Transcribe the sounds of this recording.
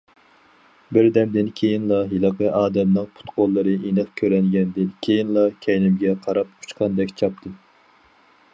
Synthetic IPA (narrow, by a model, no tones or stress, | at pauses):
bɪɾd̪ɛmd̪ɪnkʲʰejinlˠɑɦilˠɨqəʔɑːd̪ɛmnɨŋpʰu̥t̪qolˠːɨɾɨʔenɨχkʲʰøɾɛŋɡʲɛnd̪ɨnkʲʰejinlˠɑkʲʰɛjnɪmɡʲɛqʰɑɾɑpu̥t͡ʃqʰɑnd̪ɛkʲt͡ʃʰɑp̚t̪ʰɨ